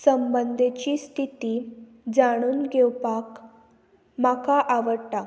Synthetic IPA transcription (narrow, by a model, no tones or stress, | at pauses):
səmbənd̪ʱet͡ɕiːst̪ʰit̪iː | d͡zaɽ̃uːnɡewpak | makaʔaʋəɽʈa